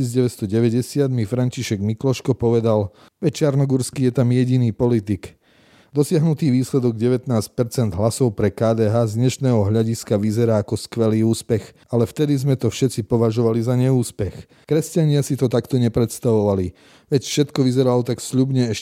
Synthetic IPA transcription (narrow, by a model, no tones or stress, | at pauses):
id͡zɟɛʋɛst̪ɔɟɛʋɛɟɛsɪad̪mifɾaɲciʃɛɡmiklɔʃkɔpɔʋɛd̪al | ʋɛct͡ʃaɾnɔɡuɾskiːjɛt̪amjɛɟiniːpɔlit̪ik | d̪ɔsɪaɦnut̪iːʋiːslɛd̪ɔɡɟɛʋɛt̪naːsc̚pɛɾt͡sɛnd̪ɦlasɔʊpɾɛkaːd̪ɛːɦaːzɲɛʃnɛːɦɔɦʎaɟiskaʋizɛɾaːkɔskʋɛliːuːspɛx | alɛft̪ɛd̪izmɛt̪ɔfʃɛt̪t͡sipɔʋaʒɔʋalizaɲɛuːspɛx | kɾɛscaɲɪasit̪ɔt̪akt̪ɔɲɛpɾɛt̪st̪aʋɔʋali | ʋɛcfʃɛt̪kɔʋizɛɾalɔt̪aksʎubɲɛɛʃ